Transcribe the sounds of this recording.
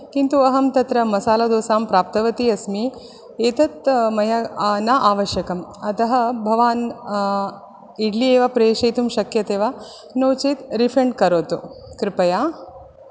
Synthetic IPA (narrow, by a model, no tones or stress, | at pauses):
kint̪uɐɦɐmt̪ɐt̪ɾɐmɐsaːlɐd̪oːsaːmpɾaːp̚t̪ɐʋɐt̪iɐsmi | eːt̪ɐt̪mɐjɐnaʔaːʋɐʃjɐkɐmɐt̪ɐɦɐbʱɐʋaːn | iɖlieːʋɐpɾeːʃɐjt̪umʃɐkjɐt̪eːʋa | noːt͡ʃit̪ɾipʰɾeɳɖkɐɾoːt̪ukɾɪpɐjaː